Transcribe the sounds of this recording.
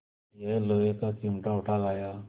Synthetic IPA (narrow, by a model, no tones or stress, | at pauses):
jɛləekakimʈaɔʈʰalaja